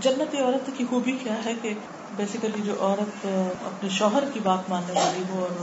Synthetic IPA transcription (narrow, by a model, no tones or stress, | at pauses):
d͡ʒɐnːət̪iɔːɾət̪kːixubʱikjaɦɛke | beːsɪkəlid͡ʒoːʔɔːɾət̪ɐ̰pneʃɔːɦəɾkibaːt̪mãːnneʋaːliɦoɔːɾ